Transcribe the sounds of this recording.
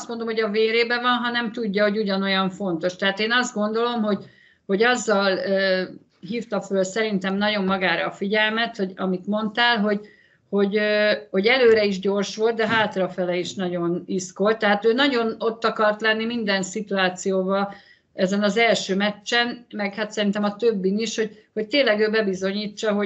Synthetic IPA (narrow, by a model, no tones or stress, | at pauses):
st̪mond̪o̞mho̞ɟɒveːɾeːbɛvɒnɦɒnɛmt̪uɟːɒɦo̞ɟuɟɒno̞jɒɱfo̞nt̪o̞ʃt̪ɛɦaːt̪eːnɒzd̪̚ɡo̞nd̪o̞lo̞mɦo̞ɟ | ho̞ɟɒzːɒløː | ɦiːft̪ɒfølsɛɾint̪ɛmnɒɟo̞mːɒɡaːɾɒ̰ːfiɟɛlmɛt̪ho̞ɟɒmit̪mo̞nt̪aːlɦo̞ɟ | ho̞ɟøho̞ɟɛløːɾɛiʒɟo̞rʃʋo̞lt̪̚d̪ɛɦaːt̪rɒfɛlɛiʃnɒɟo̞nisko̞lt̪ːɛɦaːt̪øːnɒɟo̞no̞t̪ːɒkɒrt̪lɛnːimind̪ɛnsit̪uaːt̪sijoːvɒ | ɛzɛnɒzɛlʃøːmɛt͡ʃːɛnmɛkhat̪sɛɾint̪ɛmɒt̪øbːiniʃho̞ɟ̚ho̞c̚t̪eːnlɛɡøːbɛbizo̞ɲiːt͡ʃːɒɦo̞